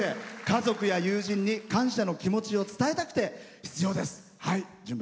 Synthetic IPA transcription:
ekazo̞kɯ̟jajɯːʑĩɲ̟ːikãɰ̃ɕano̞kʲimo̞t͡ɕio̞t͡sɨ̥t̪aet̪akɯ̟̥t̪e̞çʲi̥t͡sɨjo̞ːd̪e̞sɨ̥ | haid͡ʑɨ̃mb

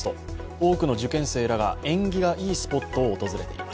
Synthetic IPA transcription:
t̪oo̞ːkɯ̟no̞ʑɨkẽ̞ɰ̃se̞ːɾaɡa̰ẽ̞ŋɡʲiɡaʔiːsɨ̥po̞t̪ːo̞ːt̪o̞zɨɾe̞t̪e̞̰ḭmmas

